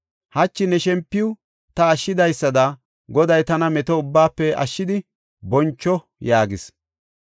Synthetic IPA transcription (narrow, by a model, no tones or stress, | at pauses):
hɐt͡ʃːɪnɛʃɛmpːɪʊ | t̪ɐːʃːɪd̪ɐjsːɐd̪ɐ | ɡɔd̪ɐjt̪ɐnɐmɛt̪ɔʊbːaːpːɛɐ̰ʃːɪd̪ɪ | bɔnt͡ʃːɔ | jaːɡɪs